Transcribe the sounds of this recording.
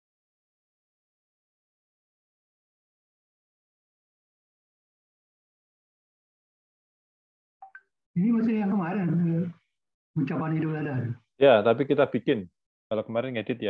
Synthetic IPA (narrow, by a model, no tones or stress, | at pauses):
inimasɪhjaŋkəmaɾɪnkə | uɲt͡ʃapanhidʊp̚ladadu | jat̪apikit̪abikɪn | kalakəmaɾɪnŋedɪt̪̚ja